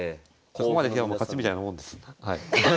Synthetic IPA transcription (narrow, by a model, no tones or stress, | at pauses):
sokomad̪esjamokat͡ɕimit̪ainamõnd̪e̞sɨ̥hai